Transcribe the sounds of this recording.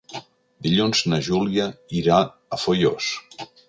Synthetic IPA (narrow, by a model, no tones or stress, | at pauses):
d̪iʎunznəʒuliəiɾaː | fojos